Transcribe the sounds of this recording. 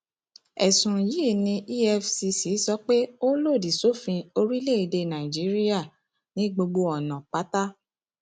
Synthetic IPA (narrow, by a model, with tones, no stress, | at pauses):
ɛ˨sũ˨ji˨˦˨nĩ˧ʔi˦ɛ˧fsi˨˦si˨˦sɔ˧k͡pe˦o˦lo˦˨di˨so˨˦fĩ˧o˧ɾi˦le˦˨i˧de˧nã˨i˨d͡ʒi˨˦ɾi˦a˦˨ | nĩ˨˦ɡ͡bo˧ɡ͡bo˧ɔ˨nã˨k͡pa˨˦ta˦